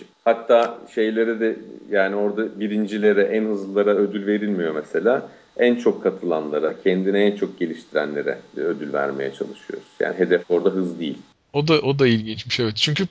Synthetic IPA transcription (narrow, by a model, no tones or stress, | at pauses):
hat̪ʰːaːʃe̞jlʲe̞ɾɛd̪ɛjaːnio̞ɾd̪abiɾind͡ʒilʲe̞ɾɛʔænɦɯzlɯlˠaɾaød̪ylʲve̞ɾilʲmijo̞mese̞lʲaː | ænt͡ʃʰo̞kʰːat̪ʰɯlˠanlˠaɾacʰɛnd̪iniænt͡ʃʰo̞k̚ɟe̞lʲiʃt̪ʰiɾæ̰nlʲe̞̰ɾɛ̰ød̪ylʲvæ̰ɾme̞̰jɛt͡ʃʰa̰lˠɯʃɯjo̞̰ɾuz̥ja̰ːniɦe̞d̪ɛfo̞ɾd̪aɦɯzd̪ijḭlʲ | o̞d̪aʔo̞d̪ailʲɟint͡ʃmiʃevɛt̪̚t͡ʃʰyɲcʰy